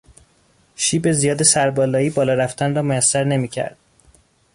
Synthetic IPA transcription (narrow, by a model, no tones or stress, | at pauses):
ʃiːbe̞zijɒːd̪e̞sæɾbɒːlɒːiːbɒːlɒːɾæft̪ʰænrɒːmojæsːæɾne̞miːcʰæ̰ɾd̪̥̚